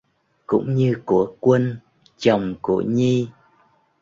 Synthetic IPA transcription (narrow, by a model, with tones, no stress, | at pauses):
kʊ̰˧˥ŋ͡mɲɨ˧ku˧˩əkwə˧n | t͡ɕə˨˩wŋ͡mku˧˩əɲi˧